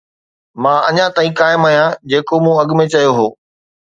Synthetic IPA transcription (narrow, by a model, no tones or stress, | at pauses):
mãːɐɲãt̪aːĩkaːɪmɐɦijãd͡ʑeːkomũɐɠmẽt͡ɕɐjoɦoː